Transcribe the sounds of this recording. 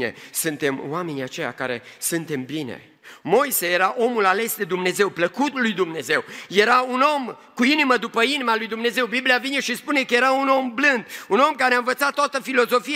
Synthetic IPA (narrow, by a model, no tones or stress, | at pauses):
ḛsɨnt̪e̞mwame̞niat͡ʃe̞ja̰ka̰ɾe̞̰sɨnt̪e̞mbinḛ | mo̞jse̞je̞ɾaʔo̞mulale̞sd̪e̞d̪umne̞ze̞wpləkut̪lujd̪umne̞ze̞wje̞ɾauno̞m | kuiniməd̪upəinimalujd̪umne̞ze̞wbibliavine̞ʃispune̞kəje̞ɾauno̞mblɨnd̪uno̞mkaɾeaɨnvət̪sat̪ːoat̪əfilo̞zo̞fi